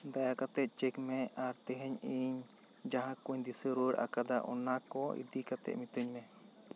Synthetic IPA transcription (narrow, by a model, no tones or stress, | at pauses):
d̪ajakat̪ɛt̪̚t͡ʃɛkmɛʔaɾt̪ɛɦɛɲiɲ | d͡ʒaɦãkuɲd̪isəɾəɽʔa̰kad̪aʔɔ̰nakɔḭd̪ikat̪ɛ̰ʔ̪mit̪ɾiɲmɛ